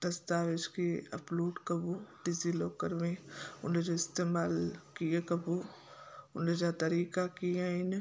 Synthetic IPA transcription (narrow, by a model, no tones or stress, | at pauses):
d̪̥ɐst̪aːʋɪd͡ʒkeɐpluːɖkɐbuɖɪziloːkəɾmẽʊ̰ned͡ʒoɪst̪eːmaːlkijekɐbu | ʊned͡ʒat̪ɐɾiːkakijaɪn